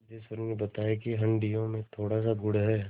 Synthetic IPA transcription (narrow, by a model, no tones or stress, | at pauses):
d͡ʒɪsəɾmebɐt̪aːekiɦɐ̃ɳɖijõmẽt̪ʰoːɽas̬aɡʊɽɦɛː